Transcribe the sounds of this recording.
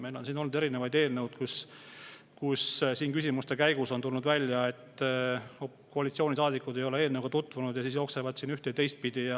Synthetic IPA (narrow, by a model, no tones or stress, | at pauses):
mejlo̞nsiːno̞lnud̪e̞ɾinevɑjd̪e̞ːlnewd̪̥kus | kussiːnkysimust̪e̞kæjɡ̥uso̞nt̪ulnud̪vælʲjɑe̞t̪ː | koɑlit̪sio̞ːnisɑːd̪ikːˑud̪̥ejo̞lee̞ːlnewɡ̥ɑt̪ut̪ːˑvunud̪̥jɑsiːsjo̞ːksevɑd̪siːnyht̪ejt̪e̞jst̪̚pid̪̥ijɑ